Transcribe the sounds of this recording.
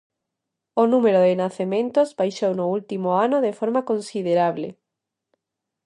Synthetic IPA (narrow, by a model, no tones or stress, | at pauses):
onumeɾoðenaθemẽnt̪ozβajʃownoult̪imoanoðefoɾmakonsið̞eɾaβlḛ